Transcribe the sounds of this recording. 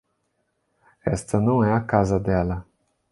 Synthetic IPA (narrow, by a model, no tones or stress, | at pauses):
ɛ̰st̪ɐnɐ̃w̃ɛɐkazɐd̪ɛlɐ